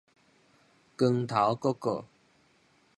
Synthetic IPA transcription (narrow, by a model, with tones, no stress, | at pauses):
kə˧ŋt̪ʰa˨˥wkɔ˨˥kɔː˧